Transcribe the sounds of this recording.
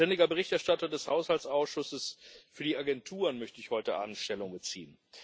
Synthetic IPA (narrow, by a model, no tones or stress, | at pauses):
ɛndɪɡɐbəʁɪçtɛɐʃtatɐdɛshaʊshalsʔaʊsʃʊsəsfyːɐdiːaɡɛntʰuːʁənmœçtəɪçhɔʏtəʔa̰ːb̚mn̩tʃtɛlʊŋbət͡sḭːən